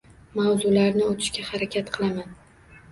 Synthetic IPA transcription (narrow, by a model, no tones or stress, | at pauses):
mawzʊlaɾnɪot̪ʰɪ̥ʃkʲahaɾakʲʰat̪qʰɨlˠaman